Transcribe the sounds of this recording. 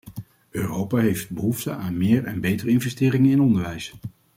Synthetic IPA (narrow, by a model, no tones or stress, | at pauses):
øːrowpaːɦejft̚bəɦuftəʔaːnmɪːɹɛ̰nbejtərəɪnvɛstɪːɾɪŋənɪnɔndəɹʋɛjs